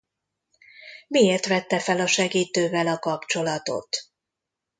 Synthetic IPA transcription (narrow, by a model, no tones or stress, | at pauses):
mieːrt̪ʋɛt̪ːɛfɛlɒʃɛɡiːt̪øːvɛlɒkɒpt͡ʃo̞lɒt̪o̞̰t̪